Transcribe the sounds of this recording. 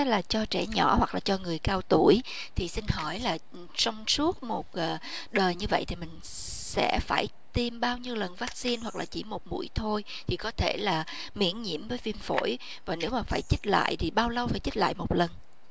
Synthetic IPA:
laː˨˩t͡ɕɔ˧t͡ɕɛ̰˧˩ɲɔ̰˧˩˥hwa˨˩k̚laː˨˩t͡ɕɔ˧ŋɨ˨˩əjkaː˧wt̪u˧˩əj | t̪ʰi˨˩sï˧ŋ̟ɦɔ˧˩jlaː˨˩ | sɔ˧wŋ͡msu˦˥ət̚mo˨˩t̚ʔəː˨˩ɗəː˨˩jɲɨ˧və̰˧˨jt̪ʰi˨˩mï˨˩ŋ̟ | sɛ̰˧˥faː˧˩j | t̪i˧mɓaː˧wɲi˧wlə˨˩nvaː˦˥k̚si˧nhwa˨˩k̚laː˨˩t͡ɕi˧˩mo˨˩t̚mṵ˧˥əjt̪ʰo˧j | t̪ʰi˨˩kɔ˨˦t̪ʰe˧˩laː˨˩ | mḭ˧˥ənɲḭ˧˥əmvəː˨˦jvi˧mfo̰˧˥j | vaː˨˩ne˨˦wmaː˨˩faː˧˩jt͡ɕi˦˥la̰ː˧˨jt̪ʰi˨˩ɓaː˧wlə˧wfaː˧˩jt͡ɕi˦˥t̚la̰ː˧˨jmo˨˩t̚lə˨˩n

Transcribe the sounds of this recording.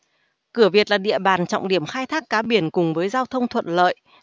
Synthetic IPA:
kɨ˧˩əvi˨˩ət̚laː˨˩ɗḭ˧˨əɓaː˨˩nt͡ɕɔ̰˧˨wŋ͡mɗi˧˩əmxaː˧jt̪ʰaː˦˥kːaː˨˦ɓi˧˩ənkʊ˨˩ŋ͡mvəː˨˦jzaː˧wt̪ʰə˧wŋ͡mt̪ʰwə̰˧˨nlə̰ː˧˨jʔ

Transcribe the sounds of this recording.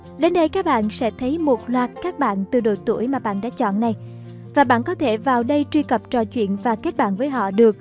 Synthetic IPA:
ɗe˨˧˦nɗə˧jkaː˦˥k̚ɓa̰ː˧˨nsɛ̰˧˥t̪ʰə˨˦jmo˨˩t̚lwaː˨˩t̚kaː˦˥k̚ɓa̰ː˧˨nt̪ɨ˨˩ɗo˨˩t̪ṵ˧˩əjmaː˨˩ɓa̰ː˧˨nɗa̰ː˧˥t͡ɕɔ̰˧˨nna˨˩j | vaː˨˩ɓa̰ː˧˨nkɔ˨˦t̪ʰe˧˩vaː˨˩wɗə˧jt͡ɕwi˧kə˨˩p̚t͡ɕɔ˧˨t͡ɕwḭ˧˨ənvaː˨˩ke˦˥t̚ɓa̰ː˧˨nvəː˨˦jɦɔ̰˧˨ɗɨ˨˩ək̚

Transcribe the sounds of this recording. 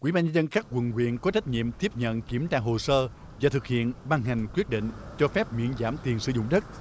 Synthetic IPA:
kwḭ˧˩˦ɓaː˧ɲə˧zə˧nxaː˦˥k̚wə˨˩nkwḭ˧˨ənkɔ˨˦t͡ɕa˦˥t̟̚ɲḭ˧˨əmt̪i˦˥əp̚ɲə̰˧˨nki˨˧˩əmt͡ɕaː˧˩ɦo˨˩səː˧ | vaː˨˩t̪ʰɨ˨˩k̚hḭ˧˨ənɓaː˧ŋɦa˨˩jŋ̟kwi˦˥ət̚ɗḭ̈˧˨ŋ̟t͡ɕɔ˧fɛ˦˥p̚ɲḭ˧˨ənzaː˧˩mt̪i˨˩ənsɨ̰˧˦zʊ̰˧˨ŋ͡mɗə˦˥t̚

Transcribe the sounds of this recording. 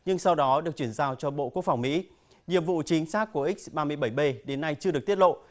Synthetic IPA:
ɲɨ˧ŋsa˧wɗɔ˨˦ɗɨ˨˩ək̚t͡ɕwi˧˩nzaː˧wt͡ɕɔ˧ɓo̰˧˨ku˦˥ək̚fa˧˩wŋ͡mmḭ˧˥ | ɲḭ˧˨əmvṵ˧˨t͡ɕï˨˦ŋ̟saː˦˥k̚ːu˧˩ʔï˦˥k̟̚ɓaː˧mɨ˧əjɓə˧˩jɓe˧ɗe˨˦nːa˧jt͡ɕɨ˧əɗɨ˨˩ək̚t̪t̚lo̰˧˨

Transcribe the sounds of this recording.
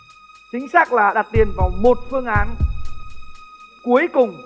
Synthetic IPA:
t͡ɕï˨˦ŋ̟saː˦˥k̚laː˨˩ɗa˨˩t̚t̪i˨˩ənkɔ˨˦mo˨˩t̚fɨ˧əŋʔaː˨˦n | ku˨˦əjkʊ˨˩ŋ͡m

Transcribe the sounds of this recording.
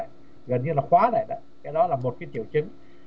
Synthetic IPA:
a̰˧˨j | ɣə˨˩nɲɨ˧laː˨˩xwaː˨˦za̰ː˧˨jɗa˨˦kaː˨˦jɗɔ˨˦laː˨˩mo˨˩t̚kaː˨˦t̪i˧˩əwt͡ɕɨ˨˦ŋ

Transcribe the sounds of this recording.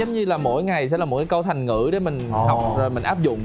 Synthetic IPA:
ə˨˦ŋ͡mɲɨ˧laː˨˩mo̰˧˥jŋa˨˩jsɛ̰˧laː˨˩o˨˩t̚kaː˨˦kə˧wt̪ʰa˨˩jŋ̟ŋɨ̰˧˥ɗe˨˦mï˨˩ŋ̟ɦa˨˩wk͡p̚zoː˨˩jmï˨˩ŋ̟ʔaː˦˥p̚zʊ̰˧˨ŋ͡m

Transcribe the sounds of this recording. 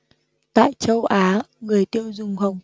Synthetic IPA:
t̪a̰ː˧˨jt͡ɕə˧wʔaː˨˦ŋɨ˨˩əjt̪i˧əwzʊ˨˩ŋ͡mɦə˨˩wŋ͡m

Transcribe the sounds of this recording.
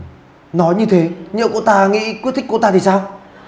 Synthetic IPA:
nɔ˨˦jɲɨ˧t̪ʰe˨˦ɲɨ̰˧˨wkṵ˧˥t̪aː˧ŋḭ˧˥kwi˦˥t̪̚ʰi̟˦˥kt̪aː˧t̪i˨˩saː˧w

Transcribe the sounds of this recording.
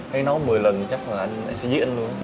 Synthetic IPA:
ha˧jnɔ˨˦jmɨ˨˩əjlə˨˩nt͡ɕa˦˥k̚maː˨˩ʔa˧jŋ̟a˧jsɛ̰˧˥zḭ˦˥ʔa˧nlu˧ən

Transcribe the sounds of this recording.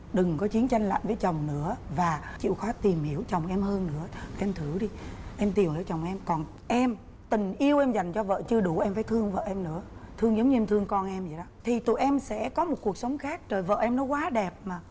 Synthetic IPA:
ɗɨ˨˩ŋkɔ˨˦t͡ɕi˨˦ənt͡ɕa˧jŋ̟la̰ː˧˨jvəː˨˦jt͡ɕə˨˩wŋ͡mnɨ̰˧˥əvaː˨˩t͡ɕḭ˧˨wxɔ˨˦t̪i˨˩mhi˧˩əwt͡ɕə˨˩wŋ͡mʔɛ˧mɦəː˧nːɨ̰˧˥ə˨ɛ˧mt̪ʰɨ˧˩ɗi˧ʔɛ˧mt̪i˨˩whi˨˧˩wt͡ɕə˨˩wŋ͡mʔɛ˧mkɔ˨˩n | ʔɛ˧m | t̪ï˨˩ŋ̟ʔi˧əwʔɛ˧mza˨˩jŋ̟t͡ɕɔ˧və̰ː˧˨t͡ɕɨ˧əɗu˧˩ʔɛ˧mfaː˧˩˦t̪ʰɨ˧əŋvə̰ː˧˨ʔɛ˧mnɨ̰˧˥ət̪ʰɨ˧əŋzə˨˦wŋ͡mɲɨ˧ɛ˧mt̪ʰɨ˧əŋkɔ˧nʔɛ˧mzi˨˩ɗɔ˨˦t̪ʰi˨˩t̪ṵ˧˨jʔɛ˧msɛ̰˧˥kɔ˨˦mo˨˩t̚ku˨˩ək̚sə˨˦wŋ͡mxaː˦˥k̚t͡ɕəː˨˩jvə̰ː˧˨ʔɛ˧mnɔ˨˦kwaː˨˦ɗɛ˨˩p̚maː˨˩

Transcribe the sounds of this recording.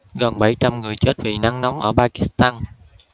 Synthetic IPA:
ɣə˨˩nɓa˧˩jt͡ɕa˧mŋɨ˨˩əjt͡ɕe˦˥t̚vi˨˩na˧ŋnɔ˨˦wŋ͡mʔəː˧˩paː˧ki˦˥st̪aː˧n

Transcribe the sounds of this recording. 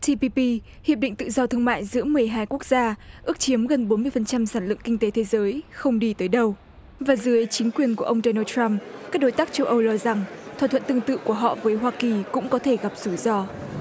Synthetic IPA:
t̪ʰi˧pi˧pi˧ | hḭ˨əɗḭ˧˨ŋ̟t̪ɨ̰˧˨zɔ˧t̪ʰɨ˧əŋma̰ː˧˨jzɨ̰˧˥əmɨ˨˩əjɦaː˧jku˦˥ək̚z̥aː˧ʔɨ˦˥ək̚t͡ɕi˨˦əmɣə˨˩nɓo˨˦nmɨ˧əjfə˨˩nt͡ɕa˧msaː˧˩nlɨ̰˧˨əŋkï˧ŋ̟t̪e˨˦t̪ʰe˨˦zəː˨˦jxə˧wŋ͡mɗi˧t̪əː˨˦jɗə˧w | vaː˨˩zɨ˨˦ət͡ɕï˨˦ŋ̟kwi˨˩ənku˧˩əʔə˧wŋ͡mɗɔ˧nəː˧tɾa˧mka˦˥k̚ɗo˨˦jt̪aː˦˥k̚t͡ɕə˧wʔə˧wlɔ˧za˨˩ŋt̪ʰwaː˨˩t̪ʰə̰˧˨nt̪ɨ˧ə˧ŋt̪ɨ̰˧˨ku˧˩əɦɔ̰˧˨vəː˨˦jɦwaː˧ki˨˩kʊ̰˧˥ŋ͡mkɔ˨˦t̪ʰe˧˩ɣa˨˩p̚z̥u˧˩zɔ˧

